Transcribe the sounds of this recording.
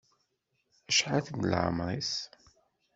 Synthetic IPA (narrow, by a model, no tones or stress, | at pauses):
əʃʕaθənlʕə̰mɾˤis